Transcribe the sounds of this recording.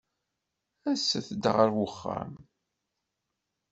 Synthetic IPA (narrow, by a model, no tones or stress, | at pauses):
æsːəθəd̪ʁəɾwʊχːə̰m